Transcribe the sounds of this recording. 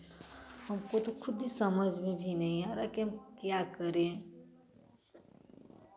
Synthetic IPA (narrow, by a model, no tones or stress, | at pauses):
həmkot̪okʰʊd̪isəməd͡ʒʱmẽbʱinəɦĩaɾakiɦəmkjakəɾẽ